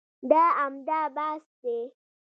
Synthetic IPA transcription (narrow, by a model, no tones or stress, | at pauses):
daamdabaste